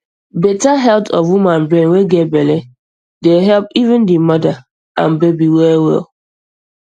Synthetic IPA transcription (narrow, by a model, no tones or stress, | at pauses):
betaɦɛltɔfwumãnbɹẽnweɡetbɛle | deɦɛlpivɪ̃ndimɔda | ã̰nbebiwɛwɛ̰lˠ